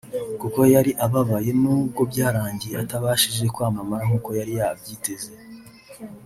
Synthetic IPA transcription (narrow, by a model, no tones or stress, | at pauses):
kuko̞jaɾiʔaβaβaje̞nuːb̚ɡo̞bɟaːɾaːɲɟiataβaːʃiʒe̞kwaːmamaɾaŋuːko̞jaɾijaːa̰bɟiːte̞ze